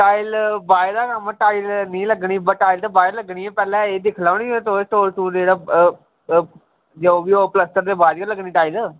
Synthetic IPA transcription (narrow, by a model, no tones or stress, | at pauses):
ʈaːilbaːd̪aːkəməʈaːilnĩːləɡɳiːbəʈːaːilt̪eːbaːɪləɡɳiːɛ̃ːpɛːlɛ̃ːeːd̪ɪkʰlaːniːt̪oːʈ̪oːɾʈuːɾeːɽaː | d͡ʒeoːʋiːoːpləsʈəɾd̪eːbaːd͡ʒkələɡniːʈaːilː